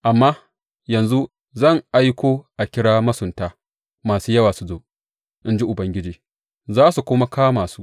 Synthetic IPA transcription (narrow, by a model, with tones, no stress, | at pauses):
ʔa˨mːaː˦ | jɐ˨nzu˦ | zɐ˦˨ŋʔa˦jkʷoː˦ʔa˨kʲɪ˦ɽaː˦mɐ˦sʊ˨ntaː˦ | maː˨suː˦jɐ˦waː˨sʊ˦zoː˨ʔ | ʔɪ˦nd͡ʒi˦ʔʊ˨bɐ˦ŋɡʲɪ˦d͡ʒiː˦˨ | zaː˦su˨kʷʊ˦ma˦kaː˦maː˨su˦